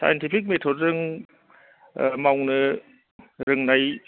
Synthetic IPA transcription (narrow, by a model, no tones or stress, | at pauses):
sʰa̰jentʰipʰik̚metʰot̚ɾɯŋ | mawŋnɯ | ɾɯŋnaj